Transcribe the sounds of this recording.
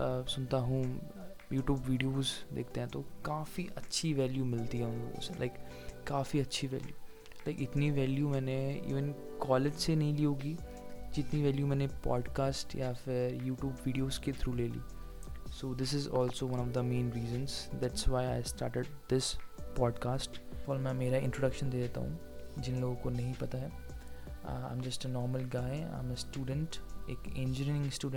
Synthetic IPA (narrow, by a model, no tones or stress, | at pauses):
əsʊnt̪aɦũ | juːʈjuːbʋiːɖijoːzd̪ḛːk̚ʰt̪ẽɦɛ̃t̪okaːfiʔɐtːʃʰiʋɛːljumɪlt̪iɦɛʊ̃nɾo̰ːɡo̰selʔa̰ɪkː | aːfiɐtːʃʰiʋɛ̰ːljṵː | laɪkɪt̪niʋɛːljumɛ̃ːneḭːʋə̃n | kɔːled͡ʒsenɐɦĩliːɦoːɡiː | d͡ʒɪt̪niʋɛːljumɛ̃ːnepɔ̰ːɖkaːsʈjafɪɾjuːʈjuːbʋiːɖijoːzket̪ʰɾuːleːlḭː | soːd̪ɪsɪzɔːlsoːʋɐ̃nɔʋd̪əmẽːnɾiːzə̃nzd̪æʈsʋaːɪaɪsʈa̰ːɾʈeɖ̚d̪ɪspɔːɖkaːsʈfɔːlmɛ̃meːɾaɪ̃ɳʈɾoːɖɐkʃə̃nd̪eːd̪eːt̪a̰ɦṵ̃ | d͡ʒɪnloːɡõkonɐɦĩpɐt̪aɦɛ | ã̰ːɪmd͡ʒɐsʈenɔːɾməlɡaːɪa̰ːmesʈuːɖə̃ɳʈḛːkẽnd͡ʒɾinɪ̃ŋɡsʈuːɖ